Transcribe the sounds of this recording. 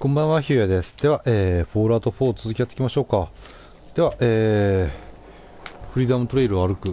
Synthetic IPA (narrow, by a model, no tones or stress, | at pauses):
kõ̞mbãɰ̃βaçiːjad̪e̞sɨ̥d̪̥e̞βaʔeːɸo̞ːɾaːt̪o̞ɸo̞ːt͡sɨzɨkʲijat̪ːe̥kʲimaɕo̞ːka | d̪̥e̞βaʔeː | ɸɯ̟ɾʲiːd̪amɯ̟t̪oɾe̞iɾɯβaaɾɯ̟kɯ̟